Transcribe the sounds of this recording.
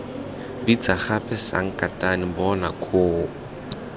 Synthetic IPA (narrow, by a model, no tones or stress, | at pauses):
bit͡saχapʰɛsa̰ŋ̩kʼatʼanɪbɔnakʰoː